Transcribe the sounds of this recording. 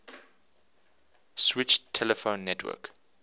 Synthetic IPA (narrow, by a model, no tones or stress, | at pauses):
swɪt͡ʃtʰːɛləfõʊ̃nːɛtʰwɜ̰k